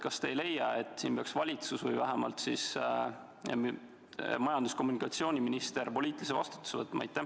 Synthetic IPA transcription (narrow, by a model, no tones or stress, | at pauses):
kɑst̪ejle̞jːɑe̞t̪ːˑsiːnpeɑksvɑlʲit̪susvɤjvæɦemɑ̰lt̪sis | mɑjɑnd̪̥usko̞mːunikˑɑt̪sioːnʲiminist̪e̞ɾpo̞lʲiːt̪ːˑilisevɑ̰st̪u̥t̪ːu̥sevɤt̪ːˑmʔɑɑ̰jt̪ːˑæ